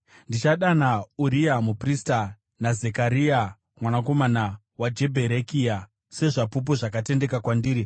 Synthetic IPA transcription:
ndit͡ʃaɗanauɾijamuprista | nazekaɾia | mwanako̞mana | wad͡ʒe̞bʱe̞ɾekija | se̞ʐapup̬uʐakate̞nde̞kakwandiːɾi

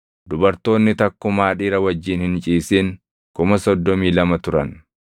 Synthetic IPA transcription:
d̪̥ʊbɐɾt̪o̞ːnːɪt̪ɐkːʊmaːᶑiːɾɐwɐd͡ʒːiːnhɪnt͡ʃʼiːsiːŋ | kʊmɐsɔd̪ːɔmiːlɐmɐt̪ʊɾɐn

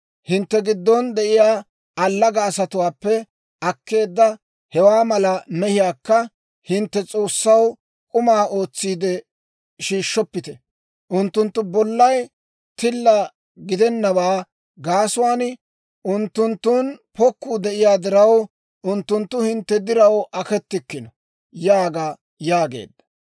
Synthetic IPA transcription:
hɪnt̪ːɛɡɪd̪ːɔnd̪ɛʔɪjaː | ɐlːɐɡɐːsɐt̪ʊwaːpːɛ | ʔɐkːe̞ːd̪ːɐ | hɛwaːmɐlɐmɛhɪjaːkːɐ | hɪnt̪ːɛt͡sʼo̞ːsːɐw | kʼʊmaːʔo̞ːt͡sːiːd̪ɛ | ʃiːʃːɔpːɪt̪ɛ | ʔʊnt̪ːʊnt̪ːʊbɔlːɐj | t̪ɪlːɐ | ɡɪd̪ɛnːɐbaː | ɡaːsʊwaːn | ʔʊnt̪ːʊnt̪ːuːnpɔkːuːd̪ɛʔɪjaːd̪ɪɾɐw | ʔʊnt̪ːʊnt̪ːʊhɪnt̪ːɛd̪ɪɾɐwʔɐkɛt̪ːɪkːɪnɔ | jaːɡa | jaːɡe̞̰ːd̪ːɐ̥

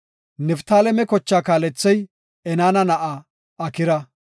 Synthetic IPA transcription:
nɛft̪aːlɛmɛkɔt͡ʃːaːkaːlɛt͡sːɛj | ɛnaːnɐnɐʔa | ɐkɪɾɐ

